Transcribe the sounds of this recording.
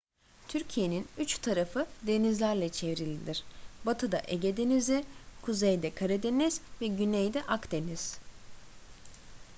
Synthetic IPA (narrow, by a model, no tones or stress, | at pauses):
t̪ʰyɾcʰije̞ninyt͡ʃt̪ʰaɾafɯd̪e̞nizlʲæɾlʲɛt͡ʃʰe̞vɾilʲid̪iɾ̥bat̪ʰɯd̪aʔeɟed̪enizikʰuzejd̪ɛkʰaɾɛd̪e̞niz̥vɛɟynejd̪ɛʔakd̪e̞niz̥